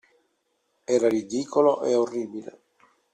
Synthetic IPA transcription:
ɛːɾarid̪iːkoloʔeorːiːbilḛ

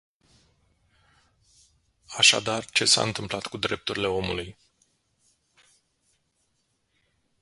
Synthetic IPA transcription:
aʃa̰d̪art͡ʃe̞sa̰ɨnt̪ɨmplat̪kud̪ɾe̞p̚t̪uɾʲile̞o̞muluj

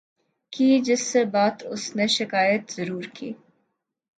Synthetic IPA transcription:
kiːd͡ʒɪsːebaːt̪ʊsneʃɪkaːjət̪z̥ɐɾuːɾkḭː

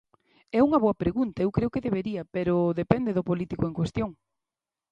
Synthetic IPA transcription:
ɛuŋɐβoɐpɾeɣunt̪ɐewkɾeʊkɪðeβeɾiɐpeɾʊðepɛnd̪eðʊpolit̪ikoeŋkwest̪joŋ

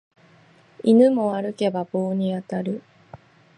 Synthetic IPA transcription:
inɯmo̞βaɾɯ̟ke̞babo̞ːɲ̟iat̪aɾɯ̟

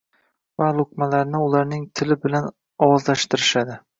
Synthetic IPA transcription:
valˠʊkmalaɾnɪʊlaɾnɪŋt̪ʰɪlɪbɪlan | ɒwɒzlaʃt̪ɪɾɪʃad̪ɪ

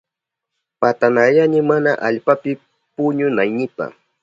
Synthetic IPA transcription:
pat̪anajanɪmanaʔaʎpapɪ | pʊɲʊnajnɪpa̰

